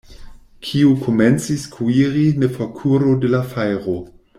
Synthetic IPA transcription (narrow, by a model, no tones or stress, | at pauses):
kʰiukʰoment͡siskʰuiʁinefokʰuɾodelafajʁo